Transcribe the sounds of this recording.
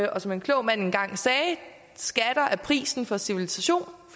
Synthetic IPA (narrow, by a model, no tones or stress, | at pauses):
ʔɒ̽sɒ̽me̝nkʰlɔʊ̰mæn̰e̝nɡ̥ɑ̈ŋ̰sɛː | sɡ̥æd̥ɐʔæɐpʰʁḭːsn̩fɒ̽siʋilisæɕo̝̰ːn